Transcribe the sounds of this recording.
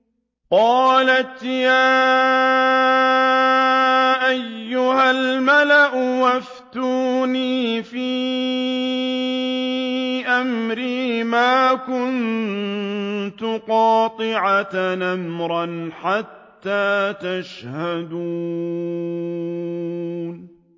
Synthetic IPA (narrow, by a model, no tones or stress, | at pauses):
qɑːlat̪jaː | ʔajːʊhalmalaʔʊwaf | t̪uːniːfiː | ʔamɾiːmaːkʊnn | t̪ʊqɑːt̪ˤɨʕat̪namɾˤɑnħat̪ːaːt̪aʃhad̪u | n